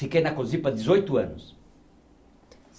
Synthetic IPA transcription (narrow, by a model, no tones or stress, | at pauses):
ikejnɐkozipɐd̪izojt̪uɐ̰nʊs